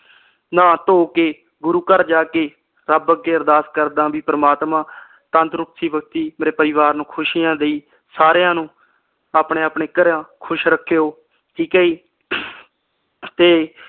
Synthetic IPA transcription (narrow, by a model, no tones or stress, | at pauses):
nãːt̪oːkeː | ɡʊɾuːkəɾd͡ʒaːkeː | ɾəbəɡːeːəɾd̪aːskəɾd̪ãːbiːpəɾəmaːt̪mãː | t̪ə̃nt̪ɾʊksiːbək̚t̪iːmeːɾeːpəɾɪʋaːɾnũːkʰʊʃiːjãːd̪eiː | saːɾjãːnũː | aːpɳeːaːpɳeːkəɾãːkʰʊʃɾəkʰːejoː | ʈʰiːkaːiː | t̪eː